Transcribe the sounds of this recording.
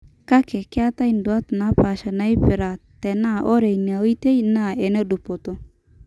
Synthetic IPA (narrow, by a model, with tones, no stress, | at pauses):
ka˦kɛ˨kɪ˦a˦ta˦i˨n˨du˨a˦tna˦pa˨ʃa˨na˨˦i˦pɪ˨ɾa˨tɛ˨na˦˨ʔɔ˦ɾe˨i˨ni˨a˨wi˦te˦i˦na˦˨ɛ˨ne˦du˨po˨tɔ˦